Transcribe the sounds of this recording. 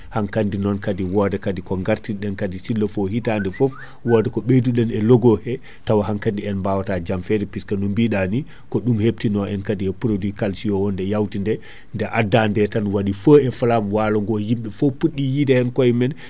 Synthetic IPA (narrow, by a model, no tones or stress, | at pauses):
haŋkandinɔnkadiwɔdɛkadikɔŋɡaɾtiɗɛnkadisilːɔfɔhitandɛfɔf | wɔdɛkɔɓeduɗɛnɛlɔɡɔhɛ | tawahaŋkandiɛnmbawatad͡ʒamfɛɾɛpiskanɔmbiɗani | kɔɗumhep̚tinɔɛnkadiɛpɾodwikalsijɔwɔndɛjawtindɛ | ndɛʔadːandɛtanwaɗifəɛfalamwalɔŋɡɔjimɓɛfopːuɗːijidɛɛnkɔjmɛn